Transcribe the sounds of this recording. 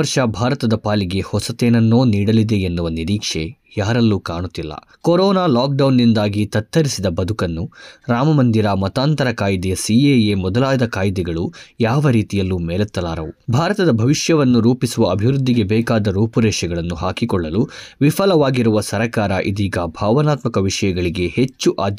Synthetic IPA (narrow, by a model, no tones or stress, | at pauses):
ɐɾʂɐbʱaːɾɐt̪ɐd̪ɐpaːliɡe̞hɔsɐt̪eːnɐnːoːniːɽɐlid̪e̞enːuʋɐniɾiːkʂe̞ | jaːɾɐlːukaːɳut̪ːilːɐ̰ | kɔɾɔːnaːlaːk̚ɖɐwnːind̪aːɡit̪ɐt̪ːɐɾisid̪ɐbɐd̪ʱukɐnːuɾaːmɐmɐnd̪iɾɐmɐt̪aːnt̪ɐɾɐkaːjd̪ɛjɐsiejemɔd̪ɐlaːd̪ɐkaːjd̪ɛɡɐɭujaːʋɐɾiːt̪ijɐlːumɛːlɐt̪ːɐlaːɾɐʋubʱaːɾɐt̪ɐd̪ɐbʱɐʋiʂjɐʋɐnːuɾuːpisuʋɐɐbʱiʋɾud̪ːiɡe̞bɛːkaːd̪ɐɾuːpɐɾɛːʂɐɡɐɭɐnːuhaːkikɔɭːɐluʋipʰɐlɐʋaːɡiɾuʋɐsɐɾɐkaːɾɐʔid̪iːɡɐbʱaːʋɐnaːt̪mɐkɐʋiʂɐjɐɡɐɭiɡe̞he̞t͡ʃːuʔaːd̪j